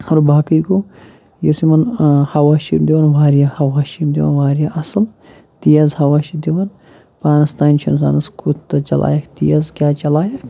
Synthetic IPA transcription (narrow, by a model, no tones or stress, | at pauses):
ɐɾbaːkəjko | jɐsimɐnhɐwaːʃḭːmd̪iwɐnʋaːɾjahɐwaːʃiːmd̪iwɐ̰nʋaːɾijaʔɐsɨl | t̪ijɐzhɐʋaːʃid̪iwɐn | paːnɐst̪aːnt͡ʃʰɐnsa̰ːnɐskʰut̪t̪ːɐt͡ʃɐlʔa̰ːjɐkt̪ḭjɐzkʲjaːt͡ʃɐlaːjɐk